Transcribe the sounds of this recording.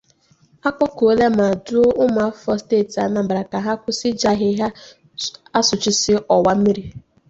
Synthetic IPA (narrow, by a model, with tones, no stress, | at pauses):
a˦kʷɔ˦ko˨le˦ma˨dʊ˦ʊ˦ma˨˦fɔ˦steː˦˨ta˨˦na˨m̩˨ba˨ɾa˨ka˨ɦa˦kʷʊ˦sɪ˦d͡ʒa˦ɦɪ˦ɦa˦ | a˦sʊ˨t͡ʃɪ˦sɪ˦ʔɔ˨wa˦m̩˦i˦ɾi˦